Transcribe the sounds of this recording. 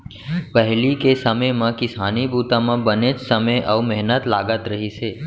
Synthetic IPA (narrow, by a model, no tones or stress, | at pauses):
pəɦlikesəməjmãkɪsanibut̪amãbəned͡ʒsəməjʔəumɛɦnət̪laɡət̪ɾəɦit͡ʃʰe